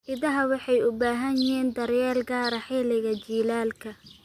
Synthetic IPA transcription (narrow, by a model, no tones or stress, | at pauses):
ʔɪðɐɦɐwɑħɑjʊbaːɦɐnjɪɦiːnd̪ɐɾjɛːlɡaːɾɐħɪlɪɣɐt͡ʃiːlaːlkʰɐ